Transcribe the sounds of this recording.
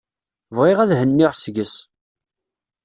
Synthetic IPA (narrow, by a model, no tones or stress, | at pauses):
vʁɪʁæðhənːɪʁsʝəs